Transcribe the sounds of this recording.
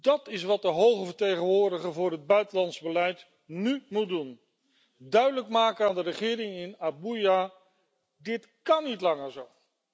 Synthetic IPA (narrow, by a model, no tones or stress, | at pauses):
d̥ɑtɪsʋɑt̚dəɦowχəvəɹtejχənʋʊːɹdəχəvʊːɹɦəd̚bœɥtəlɑntzbəlɛjt | nymut̚dun | dœɥdələkmaːkənaːndərəχɪːɾɪŋɪnabuja | dɪt | kɑnːitlɑŋəɹzow